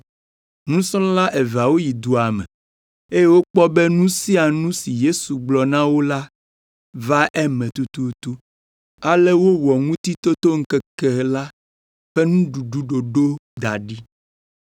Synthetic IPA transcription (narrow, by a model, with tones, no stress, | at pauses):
ŋũ˦sɔ̃˦la˦ʔe˨va˨wo˦ji˨d̪u˨a˨mɛ̰̃˨ | e˦je˦wo˦k͡pɔ˦be˦nũ˦si˦a˨nũ˦si˨je˦su˨ɡ͡blɔ˨nã˦wo˦la˦ | va˦ʔɛ˦mɛ̃˨t̪u˦t̪u˦t̪u˦ | a˦le˦wo˦wɔ˨ŋũ˦t̪i˦t̪o˦t̪o˦ŋ̩˦kɛ˦kɛ˨la˦ | ɸe˦nũ˦ɖu˨ɖu˨ɖo˨ɖo˦d̪a˨ɖi˦